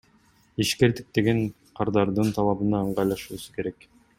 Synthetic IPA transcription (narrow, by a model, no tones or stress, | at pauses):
iʃke̞ɾd̪ik̚t̪eɡeɴ | qʰɑɾd̪ɑɾd̪ɯnt̪ʰɑlˠɑβɯnɑɯɴɢɑjlˠɑʃuːsu̥ke̞ɾe̞k